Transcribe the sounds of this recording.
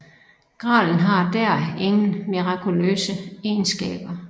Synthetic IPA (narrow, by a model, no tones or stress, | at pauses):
ɡ̥ʁɑ̰̈ːln̩ɦɑ̈d̥æɐ̰e̝ŋn̩miʁɑ̈kʰulø̰ːsəeːnsɡ̥ɛ̰ːb̥ɐ